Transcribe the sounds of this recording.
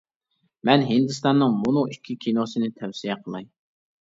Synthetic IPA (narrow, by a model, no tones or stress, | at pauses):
mɛnɦɪnd̪ɨst̪ɑnːɨŋmunɨikʲʰːikʲʰinosɨnɪt̪ʰɛwsijɛqʰəlˠɑj